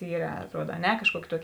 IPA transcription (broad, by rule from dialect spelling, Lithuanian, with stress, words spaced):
ˈiːrɐ ɐtˈruɔt ɐ ˈnʲɛ kɐʃˈkuɔkʲɪ ˈtuɔkʲɪ